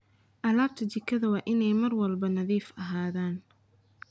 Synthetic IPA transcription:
ʔɐlaːb̚t̪ʰɐd͡ʒɪkʰɐðɐwɑːʔɪnɛjmɐrwɐlbɐnɐðiːfɐɦaːðaːn

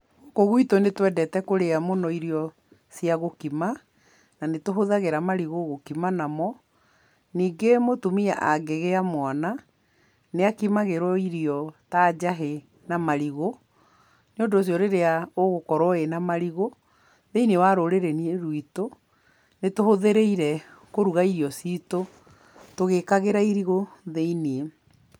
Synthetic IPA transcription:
okoɣwitonetwɛdɛtɛkoɾeamonɔiɾiɔ | siaɣokima | nanetoɦoðaɣeɾamaɾiɣoɣokimanamɔ | niːɡemotumiaʔaɡeɣeamwana | neakimaɣeɾɔiɾiɔtad͡ʑaɦe | namaɾiɣo | neondos̬jɔɾeɾeaoɣokɔɾwɔenamaɾiɣo | ðeinewaɾoɾeɾeniɾwito | netohoðeɾeiɾɛkoɾuɣaiɾiɔsito | toɣekaɣeɾaiɾiɣoðeinie

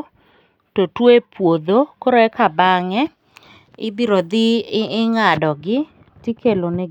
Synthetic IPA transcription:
totwepwod̪okoɾoɛkabaŋɛ | ɪbiɾod̪ɪɪɪŋadɔɡɪ | tikʰelone

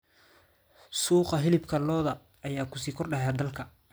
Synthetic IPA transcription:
suːqɑɦɪlɪbkʰɐlɔːðɐː | jaːkʰʊ̥siːkʰɔrɗɐɦaːd̪ɐlkʰɐ

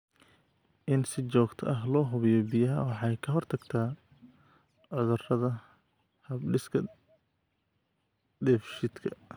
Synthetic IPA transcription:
ʔɪnsɪt͡ʃɔːɡt̪ʰɐ̰ʔɐɦlɔːɦʊβɪjɔbɪjɐɦɐ̰wɑħɑjkʰɐɦɔrt̪ʰɐɡt̪ʰaː | ʕɔðʊrɐðɐ | hɐbɖɪskʰɐ | dɛfʃɪd̪kʰɐ

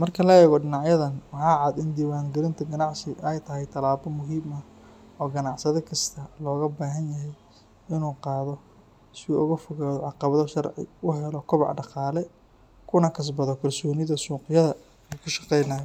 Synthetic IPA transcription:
mɐrkʰɐlɐɛːɣɔɖɪnɑʕjɐðɐnwɑħɑːʕɑd̪ɪnd̪iːwaːŋɡɪɾɪnt̪ʰɐɡɐnɑʕsɪʔɛjt̪ʰɐɦɛjt̪ʰɐlaːbɔmʊɦiːmɐ | ɔːɡɐnɑʕsɐðɔkʰɐst̪ʰɐlɔːɣɐbaːɦɐnjɐɦɛj | ɪnuːqɑːðɔ | sɪṵʔʊɣɐfɔɣaːðɔʕɑqɑβɐðɔʃɐrʕɪ̰ʊɦɛlɔkʰʊβɑ̰ʕɖɑqɑːlɛ | kʰʊnɐkʰɐs̬bɐðɔkʰɐlsɔːnɪðɐsuːqjɐðɐ | uːkʰʊʃɑ̥qɛjnaːjɔ

